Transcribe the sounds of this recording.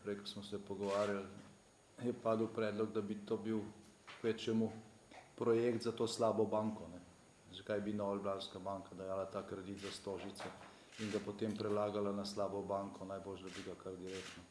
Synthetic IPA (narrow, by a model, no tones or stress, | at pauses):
pɾɛjkɔsmɔsɛpɔɡɔʋaːɾjal | jɛpaːd̪əwpɾɛːd̪lɔɡd̪abit̪oːbiw | kʋɛt͡ʃɛmu | pɾɔjeːkt̪zat̪oːslaːbɔbaːŋkɔnɛ | zɐkajbinɔʋalblanskabaːŋkad̪ɐjaːlat̪aːkɾɛd̪it̪zast̪oːʒit̪sɛ | inɡapot̪eːmpɾɛlaːɡalanaslaːbɔbaːŋkʰɔnajboːlʃd̪abiɡakaɾd̪iɾek̪nɔ